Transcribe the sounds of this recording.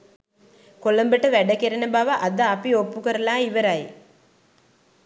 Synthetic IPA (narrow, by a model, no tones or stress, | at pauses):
kolɐmbəʈɐʋæɖɐkeɾɐnɐbaʋɐʔɐd̪aːpiopːukɐɾɐlaːiʋɐɾaj